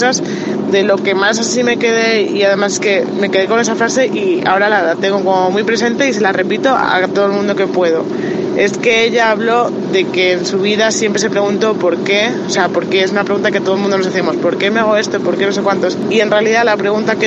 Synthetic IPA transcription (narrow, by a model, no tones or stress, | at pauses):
saz | ðe̞lo̞ke̞masasime̞ke̞ð̞e̞iaðe̞mas̬eske̞me̞ke̞ð̞e̞ko̞ne̞safɾase̞ʔia̰o̞ɾalat̪e̞ŋɡo̞ko̞momujpɾe̞s̬e̞nt̪e̞ise̞lare̞pit̪o̞a̰t̪oð̞lmũnd̪o̞ke̞pwe̞ð̞o̞ | e̞ske̞eʎaːβlo̞ | ðe̞ke̞ːnsuβ̞iðasje̞mpɾe̞se̞pɾe̞ɣ̞unt̪o̞po̞ɾke̞ose̞apo̞ɾke̞es̬unapɾeɣunt̪̬aket̪oð̞lmũnd̪onos̬aθemo̞spo̞ɾke̞me̞aɣ̞o̞e̞st̪opo̞ɾke̞no̞se̞kwant̪o̞sie̞nrealiðalapɾe̞ɣ̞unt̪ak